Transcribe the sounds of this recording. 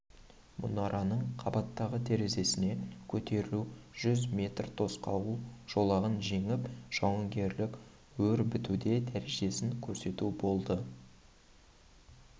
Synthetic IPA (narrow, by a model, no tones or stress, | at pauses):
mʔʊ̰nɑɾʔɑnəɴqʰɑbɑt̪ːɑʁət̪ʰe̞ɾe̞ze̞sɪne̞kʲʰɵt̪e̞ɾuʒ̥ʏzmʲe̞t̪rt̪ʰo̞sqɑwuʒ̥o̞lˠɑʁənʒe̞ŋɪpʒ̥ɑwəŋɡʲe̞ɾlɪk | wɵɾbɪt̪ud̪e̞d̪æɾeʒe̞sɪŋkʲʰɵɾse̞t̪ubo̞lˠd̪ə